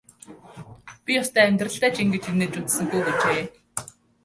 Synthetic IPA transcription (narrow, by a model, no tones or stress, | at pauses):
pʲijɔst̪æːæmʲt̪rə̆ɬt̪æːt͡ɕʰiŋɡĕt͡ɕʰineːt͡ɕut͡ssɘ̆ŋɡujɡet͡ɕeː